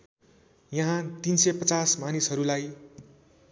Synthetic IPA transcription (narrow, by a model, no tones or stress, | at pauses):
jʌɦãt̪insʌpʌt͡sasmanisɦʌɾulaj